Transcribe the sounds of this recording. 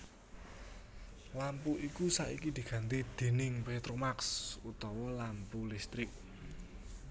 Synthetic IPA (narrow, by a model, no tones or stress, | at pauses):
lampuʔikusaʔikid̪̥i̤ɡ̥ä̤nt̪id̪̥e̤nɪŋpet̪ɾomaksut̪ɔwɔlampulist̪ɾɪk̚